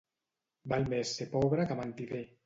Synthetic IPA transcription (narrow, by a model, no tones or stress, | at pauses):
balmesːepɔβɾakamant̪iðe